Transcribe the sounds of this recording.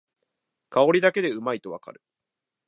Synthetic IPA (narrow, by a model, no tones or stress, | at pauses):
kao̞ɾʲid̪ake̞d̪e̞ɯ̟mait̪o̞βa̰ka̰ɾɯ̟̥